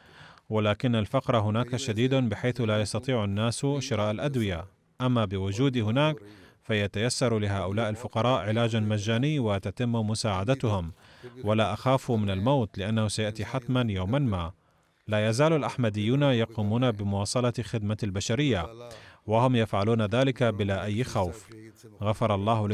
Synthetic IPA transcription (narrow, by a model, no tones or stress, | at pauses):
walaːkɪnːalfɑqɾˤɑɦʊnaːkaʃad̪iːd̪abɪħajθlaːjɑst̪ɑt̪ˤiːʕanːaːsʃɪɾˤaːʔalʔad̪wɪja | ʔamːabɪwʊd͡ʒuːd̪ihʊnaːkfajat̪ajasːɑɾˤlɪɦaːʔʊlaːʔalfʊqɑɾˤɑːʔʕɪlaːd͡ʒanmad͡ʒːaːnɪjːwɪt̪at̪ɪmːmʊsaːʕad̪at̪ʊhʊm | walaːʔaxaːfumɪnalmawt̪lɪʔanːahʊsajaʔt̪iħat̪manjawmanmaː | laːjazaːlalʔaħmad̪ɪjːuːnajɑquːmuːnabɪmʊwɑːsˤɑlɑxɪd̪̚malbaʃaɾɪjːawahʊmjafʕaluːnaðaːlɪkabɪlaʔajːxawfɣafɑɾˤɑlˤːɑːhʊ